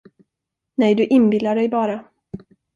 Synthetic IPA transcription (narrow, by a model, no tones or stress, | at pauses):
nɛjd̪ɵʔɪnbɪlːaɖɛjbɑːɾa